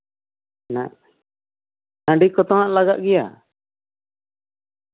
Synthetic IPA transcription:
naʔ | nãɖikɔt̪ɔ̃ɦãʔlaɡaʔɡɛja̰

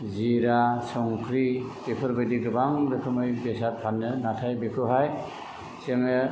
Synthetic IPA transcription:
ziɾasɔŋkʰɾibepʰɯɾbadiɡɯbaŋɾɯkʰɯmɯjbesat̚pʰanːɯnatʰajbekʰɯɦaj | seŋɯ

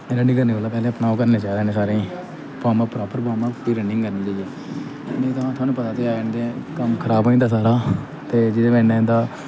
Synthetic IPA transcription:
ɾə̃ɳɖĩːkəɾniːbəlaːpɛːlẽːəpnaːokəɾneːt͡ʃaːɾeːnẽːsaːɾẽː | paːmãːpɾaːpəɾpaːmãːt̪iːɾəɳɖɪŋɡkəɾnĩːd͡ʒaːiɛː | mɛ̃ːt̪əãːt̪ʰʊaːnũːpət̪aːt̪eːand̪ekəmkʰəɾaːboːĩːd̪aːsaːɾaː | t̪eːd͡ʒɪd̪eːʋɛ̃ːnẽːnd̪aː

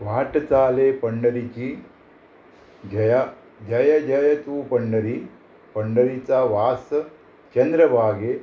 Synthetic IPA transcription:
ʋaːʈɐt͡saːlepɐɳɖɐɾit͡ʃiː | d͡ʒɐja | d͡ʒɐjɐd͡ʒɐjɐt̪uːpɐɳɖɐɾi | pɐɳɖɐɾit͡saʋaːs | t͡ʃɐnd̪ɾɐbʱaːɡe

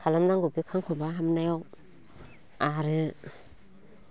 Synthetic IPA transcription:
kʰalamnaŋɡubikʰaŋkʰɔbaɦamnajɔw | aɾɯ

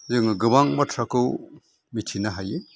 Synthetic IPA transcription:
zɯŋaɡɯbaŋmatʰɾakɯw | mitʰinaɦaje

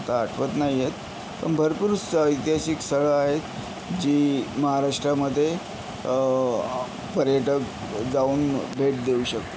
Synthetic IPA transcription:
t̪aːʈʰʋət̪naɦijet̪ | pə̰ɳbʱəɾpuɾut͡ssəjt̪jaɕiksəɭəaɦet̪ | d͡ʑiːməɦaɾaʂʈɾaməd̪ʱːje | pəɾjəʈək | d͡zauːnbʱeʈ̚d̪euːɕək̚t̪e̥

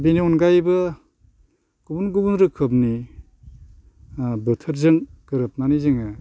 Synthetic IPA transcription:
biniunɡajbɯ | ɡ̥ubunɡubunɾɯkʰɯp̚ni | bɯtʰɯɾzɯŋɡ̥ɯɾɯp̚nanizɯŋɯ

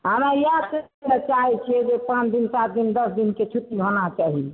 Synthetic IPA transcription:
ɦanajake | net͡ʃaɦɛt͡ʃʰied͡ʒepãt͡ʃʰd̪insat̪̚d̪ind̪əsd̪inket͡ʃʰut̪ːiɦonat͡ʃaɦi

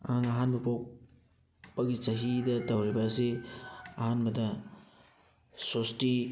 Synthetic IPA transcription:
ɐ̰haŋɐɦanbɐpok | pɐɡit͡ʃɐɦidɐtɐwɾibɐːsiɐhanbɐdɐ | sosti

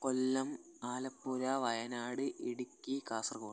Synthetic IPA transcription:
kolːɐm | aːlɐpːuɾɐʋɐjɐnaːɽɨʔiɽukʲːikaːsrkuː

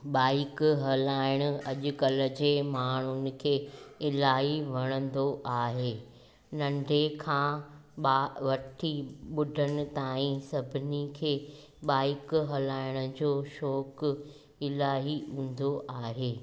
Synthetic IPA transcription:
ɓaːɪkɦɐlaːɪɽ̃ʊ̆ɐʄʊ̆kɐlə̆d͡ʑeːmaːɳ̤ʊnɪ̆kʰeːɪlaːɦiʋɐɽ̃ə̃nd̪oʔaːɦeː | nɐ̃ɳɖʱekʰãːɓaʋɐʈʰiɓʊɖʱənɪ̆t̪aːĩsɐbʱɪnikʰeː | ɓaːɪkɦɐlaːɪɽ̃ʊ̆d͡ʑoːʃɔːk | ɪlaːɦiũːn̆d̪oʔaːɦeː

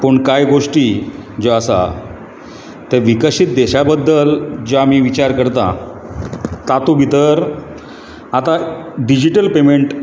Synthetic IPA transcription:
pəɳkajɡoʂʈiːd͡zoasa̰ | t̪əɾʋikəɕit̪̚d̪ɛɕabəd̪ːəld͡ʑoamiːʋit͡ɕaɾkəɾt̪a̰ | t̪at̪obʱit̪əɾ | at̪aɖid͡ʑiʈəlpemeɳʈ

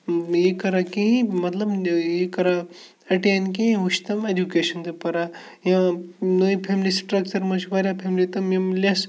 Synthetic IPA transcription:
jekɐɾakẽĩmɐt̪lɐbjekɐɾa | ɐʈeːnkeĩuʃt̪ɐmedukeʃɐnd̪epɐɾa | jãnoipʰeːmlisʈɾɐkt͡ʃɐɾmot͡ʃʰbaɾʲjapʰeːmlit̪ɐmimlʲɐs

